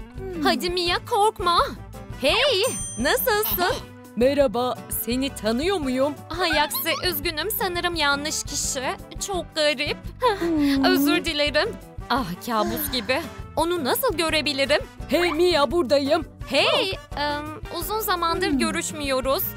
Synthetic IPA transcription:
had̪imijakʰo̞ɾkmahɛjnasɯlˠsɯn | mɛɾabase̞nit̪ʰanɯjo̞mujumɦajaksɪʔøzɟynymsanɯɾɯmjanːɯʃcʰiʃit͡ʃʰok̚ɡaɾip̚ | øzyɾd̪ilʲeɾim | ahcʰaːbut̪ɟibɪo̞nunasɯlˠɟø̞ɾe̞bilʲiɾimhɛmijabuɾd̪ajɯmhɛjɯmuzunzamand̪ɯɾɟø̞ɾyʃmijo̞ɾʊz̥

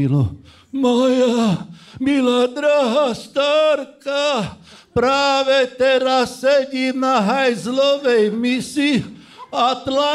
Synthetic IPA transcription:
ilo | majamilad̪ɾaɦast̪aɾka | pɾaːʋɛt̪ɛɾasːɛɟʲinaɦajzloʋɛjmisi | at̪la

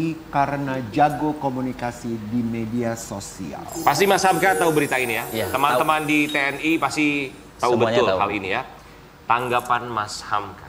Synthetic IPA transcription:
ikaɾənad͡ʒaɡokomunikasidimediasosḭa̰lpas̬t̪imashamkat̪aubəɾit̪ainijat̪əmant̪əmandit̪eɛnipast̪i | t̪aubət̪ʊlɦa̰linija | t̪aŋɡapanmashamkḁ̰

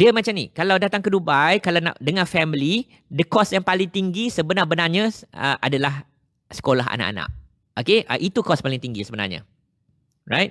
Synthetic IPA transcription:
diəmãt͡ʃamnikalawdat̪aŋkədubajkalawna̰ʔdəŋãnfɛmili | dəkɔsjaŋpalɪŋt̪iŋɡisəbənarbənarɲaə̰ʔa̰dalah | sə̥kolaɦa̰na̰ʔa̰na̰ʔ̚ | okeʔə̰ʔit̪ukɔspalɪŋt̪iŋɡisəbəna̰rɲa̰ | ra̰jt̪̚

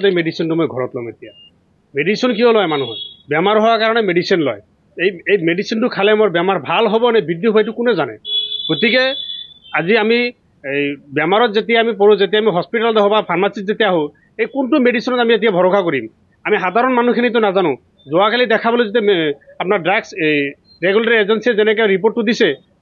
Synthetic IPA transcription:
t̪ejmeɖisinʈumɔjɡʱɔɾɔt̪lɔ̰met̪ija̰ | meɖisiɔnkiɔlɔjmanuɦɔ̰bjamaɾɦɔwakaɾɔɽ̃emeɖisinlɔ̰j | ejejmeɖisinʈukʰalemɔɾbjamaɾbʱalɦobɔnebʱid̪jiɦojʈukunezanɛ̰ɡ̥ot̪ike | aziami | ejbjamaɾɔt̪d͡ʒet̪iaamip̬ɔɾud͡ʒet̪̬iaːmiɦɔspiʈald̪eɦʰɔbapʰaɾmasit̚d͡ʒet̪ɛaɦo | ejkunʈumeɖisinɔt̪amiet̪̬iabʱɔɾɔkʰakɔɾim | amiɦad̪ʱaɾɔnmanukʰinit̪̬ɔnad͡ʒanũ | d͡ʒɔakelid̪ɛkʰabɔled͡ʒet̪̬eapnaɾɖɾaɡs | ɾeɡulaɾied͡ʒensid͡ʒenek̬eɾipoɾʈud̪ise

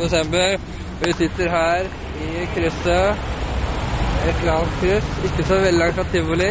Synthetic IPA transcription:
d̪ɛsɛmbəɾ | ɔʋɪsɪt̪ːəɾɦæːɾ | ɪkʰɾʏsɑ | ɛt̪ːləɾɑnt̪̚kʰɾʏsɪkːəsɔʋɛlːɪɑŋt̪ɑt̪ʰːɪʋʊlɪ

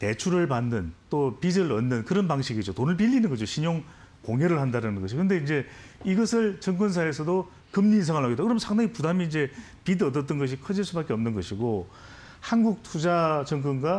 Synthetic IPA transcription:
te̞t͡ɕʰuɾɯɭpanːɯnt͈opidɯɾʌnːɯnkɯɾʌnbaŋɕʰiɡid͡ʑotonɯɭp̬iʎːinɯnɡʌd͡ʑoɕʰiɲoŋ | koŋjʌɾɯɭhandaɾanɯnɡʌɕʰikɯnde̞ind͡ʑe̞iɡʌsʰɯɭt͡ɕʌŋk͈ɯns̬ʰaesʰʌdo | kɯmɲiːnsʰaŋɯɭɦaɡet͈ːakɯɾʌmnsʰaŋdaŋipudamiːnd͡ʑe̞ | pidɯʌtʌt̚t͈ɯnɡʌɕ̬ʰikʰʌd͡ʑiɭs͈ubak͈eʌmnɯnɡʌɕʰiɡo | hanɡuk̚tʰud͡ʑat͡ɕʌŋk̬͈ɯnɡa

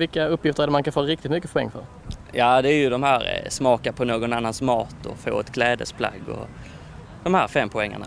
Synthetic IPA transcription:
vɪkːaɵpːjɪft̪əɾæɖəmankʰanfoːɾɪkt̪ɪt̪mʏkːəpʰʊɛ̰ŋːfœ̰ɾ | jɑːd̪ɛæɾjɵd̪ɔmhæːɾsmɑːkaɾpʰɔnoːɡɔnanːansmɑːt̪ɔ̰fo̰ːɛt̪kʰlɛːd̪ə̰spʰla̰ɡːɔ̰ | d̪̥ɔmhæːɾfɛmːpʰʊɛŋːa̰ɳa̰

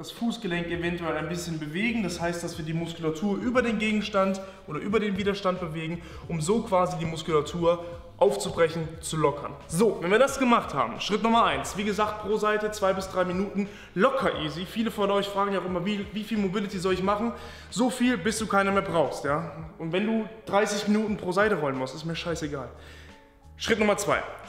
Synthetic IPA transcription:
d̥asfuːsɡ̥əlɛŋkevɛntuɛlaɪnbɪsçənbəveːɡŋ̩dashaɪstd̥asv̥iːɐdiːmʊskulatʰuːɐʔyːbɐdeːnɡeːɡŋ̩ʃtantʔʔoːdɐʔyːbɐɾeːnviːdɐʃtant̚b̥əveːɡŋ̩ | ʔʊmzoːkv̥aːzidiːmʊskulatʰuːɐ | ʔaʊft͡subʁɛçn̩t͡sulɔkʰɐ̰nzoːvɛnviːɐdasɡ̥əmaχtha̰ːbm̩ʃʁ̥ɪtnʊmɐʔaɪnsv̥iːɡəzaːkt̚pʁ̥oːzaɪtət͡sv̥aɪbɪsd̥ʁaɪminuːtn̩ | lɔkʰɐʔiːzifiːləfɔnʔɔʏçfʁ̥aːɡŋ̩jaʊʔɪmɐviːviːfiːlmobɪlɪtizɔlɪçmaχn̩ | zofiːlbɪsd̥uːkʰaɪnɐmeːɐbʁaʊxstjaːʔʊntv̥ɛnduːd̥ʁaɪsɪçminuːtn̩pʁ̥oːzaɪtəʁɔlənmʊstɪstmiːɐʃaɪseɡaːl | ʃʁ̥ɪtnʊmɐt͡sv̥aɪ

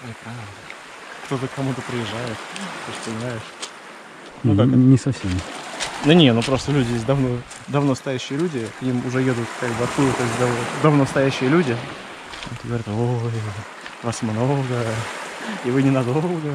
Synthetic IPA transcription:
opɾavd̪ə | kt̪o̞t̪əkːɐmut̪əpɾʲɪjɪʐːajɪt̪t̪oʂt̪onʲnajɪʂ | nukaknʲɪsɐfsʲemʲnənʲenupɾo̞st̪əlʲʉdʲɪjes̬ʲtʲd̪ɐvno̞ | d̪ɐvnost̪ɐjæɕːɪjəlʲudʲɪknʲimʊʐɛjed̪ʊt̪kaɡ̚bɨɐk̪ujt̪osʲd̪ɐvd̪ɐvnost̪ɐjæɕːɪjəlʲudʲɪ | a̰mot̪əɡəvɐɾʲat̪o | vasmno̞lˠɡə | ɪvɨnʲɪnɐd̪o̞lˠɡə

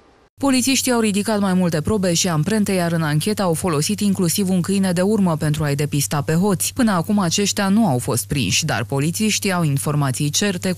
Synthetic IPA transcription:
po̞lit̪siʃt̪iawɾid̪ikat̪majmult̪e̞pɾo̞be̞ʃiampɾe̞nt̪e̞jaɾɨnaŋkʲe̞t̪əawfo̞lo̞sit̪iŋklusivuŋkɨjne̞d̪e̞urməpe̞nt̪ɾuajd̪e̞pist̪ape̞ɦo̞t̪sʲpɨnəakumat͡ʃe̞ʃt̪eanuawfo̞st̪̚pɾḭnʃʲd̪a̰rpo̞lit̪siʃt̪iawinfo̞rmat̪sijt͡ʃe̞rt̪e̞

